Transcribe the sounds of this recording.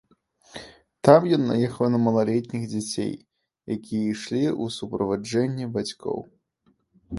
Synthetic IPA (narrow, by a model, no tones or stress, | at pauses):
t̪amjɔnːa̰jɛxɐwnɐmɐlˠalʲɛt̪ʲnʲiɣd͡zʲat͡sʲḛj | jakʲʰijɛiʂlʲiʔusupɾɐvad͡ʐɛnʲːɛbat͡sʲkʰɔ̰w